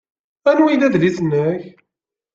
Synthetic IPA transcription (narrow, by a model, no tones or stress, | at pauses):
ænwilæðliθənːəç